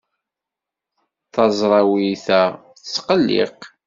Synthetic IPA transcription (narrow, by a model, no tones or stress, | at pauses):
θɑzˤɾˤɑwiθæ | θəsqəlːɪ̰q